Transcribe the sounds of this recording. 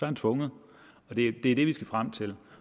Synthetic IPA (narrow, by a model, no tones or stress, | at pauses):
sɒænt͡sʰʋɔ̽ŋð̩ˠ | ɒ̽d̥e̝d̥e̝æɐd̥e̝ʋisɡ̥æfʁam̰t͡sʰe̝l